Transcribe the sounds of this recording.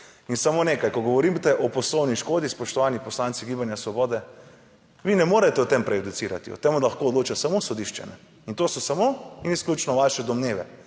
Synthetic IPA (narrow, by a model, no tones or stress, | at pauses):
insamoneːkajkɔɡɔʋɔɾimt̪ɛʔɔpɔslɔwniʃkoːd̪ispɔʃt̪ɔʋanipɔslant̪siɡibanjasʋɔbɔːd̪ɛ | ʋinɛmoːɾɛt̪ɛɔt̪empɾɛjud̪ut̪siːɾa̰t̪iɔ̰t̪emud̪lɐxkoːd̪loːt͡ʃasamosɔd̪iʃt͡ʃɛ̰nɛ̰ | int̪oːsɔsamoinisklʲut͡ʃnɔʋaʃɛd̪ɔmneːʋɛ̰